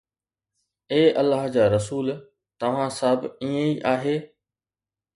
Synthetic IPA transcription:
eːʔɐlːaːɦd͡ʑaːɾɐsuːl | t̪ɐʋ̤ãsəbiːẽiʔaːɦeː

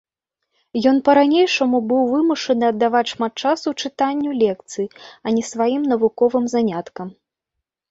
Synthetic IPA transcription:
jɔn̪pɐɾanʲejʂɐmubɨwvɨmuʂɐnɨɐd̪ːavat͡sʲʂmat̪̚t͡ʂasut͡ʂɨt̪anʲːulʲɛk̚t̪sɨjiɐnʲɛsvajimnɐvukɔvɨmzanʲat̪kɐm

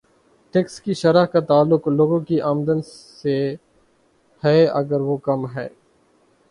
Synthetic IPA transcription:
ʈɛːkskiʃɐɾaɦkat̪aːlːʊkloːɡõkiʔaːmd̪ənse | hɛːɐ̰ɡəɾʋokɐmɦɛː

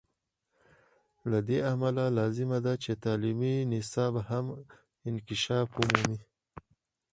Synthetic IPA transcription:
lad̪eamalalɑzɪmad̪at͡ʃet̪ɑliminɪsɑbham | ɪnkɪʃɑːfʊmumi

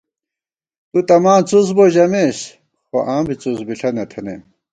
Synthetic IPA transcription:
t̪ut̪ɐmaːnt͡sus̬boʑɐmeɕ | xoʔãːmbit͡susbiɬʰɐnɐt̪ʰɐnḛm

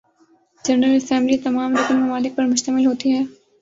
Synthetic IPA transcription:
d͡ʒɐnɾəlɐsɛ̃mblit̪ɐmaːmɾʊknmɐmaːlɪk̚pɐɾmʊʃt̪əmɪlɦoːt̪iɦɛː

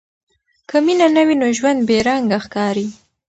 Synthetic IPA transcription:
kʰəminanawinoʒwand̪̚beɾaŋɡaxkɑɾi

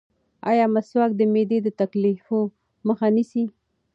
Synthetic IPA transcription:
ajɑmaswak̚d̪əmed̪ed̪ət̪aklifo | məxanisi

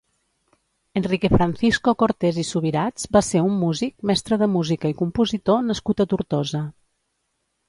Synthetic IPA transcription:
ənrikefɾanθiskokoɾt̪ezisuβiɾad͡zbaseumːuzik̚mɛst̪ɾəðəmuzikəikumpuzit̪onəskut̪ət̪uɾt̪ozə

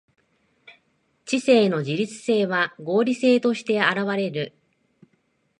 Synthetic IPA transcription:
t͡ɕise̞ːno̞d͡ʑiɾʲit͡sɨ̥se̞ːβaɡo̞ːɾʲise̞ːt̪o̞ɕi̥t̪e̞aɾaβaɾe̞ɾɯ̟

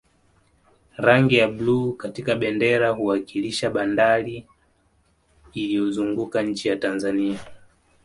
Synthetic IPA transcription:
ɾaŋɡijaɓluːkatikaɓɛndɛɾaɦuwakiliʃaɓandaɾi | lijɔzuŋɡukaɲ̩t͡ʃijatanzania

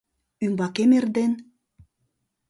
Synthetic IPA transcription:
ymbɑkemerd̪en

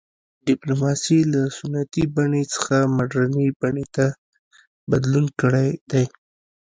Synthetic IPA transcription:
ɖɪplomɑsilasʊnːat̪ibaɳet͡sə̥xamaɖɾanibaɳet̪a | bad̪lunkəɽajd̪̥aj

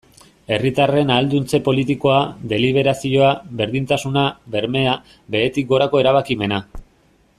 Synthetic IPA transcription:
e̞rit̪are̞naːld̪unt͡se̞po̞lit̪iko̞ad̪e̞liβ̞e̞ɾasio̞aβe̞ɾðint̪asunabe̞ɾme̞a | be̞et̪ik̚ɡo̞ɾako̞e̞ɾaβ̞akime̞na

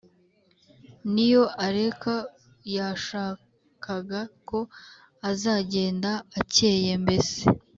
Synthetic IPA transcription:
nijo̞aɾe̞ka | jaʃaː | kʰaɡako̞ | azaːɟe̞ːndaːce̞ːje̞mbe̞se

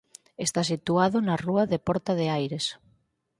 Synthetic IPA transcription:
est̪asit̪uaðʊnaruaðepɔɾt̪aðeajɾes

